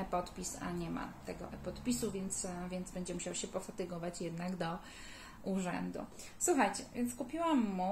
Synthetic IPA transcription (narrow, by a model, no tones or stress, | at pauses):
pɔt̪pʲisa̰ɲɛma̰t̪ɛɡɔ̰ʔɛpɔt̪pʲisuvʲjɛnt̪svʲjɛndzbɛɲd͡ʑɛmuɕawɕɛpɔfat̪ɘɡɔvat͡ɕjɛd̪naɡd̪ɔ | ʔuʐɛ̰nd̪ṵ | swuxajt͡ɕɛvʲjɛnt̪skupʲiwamːu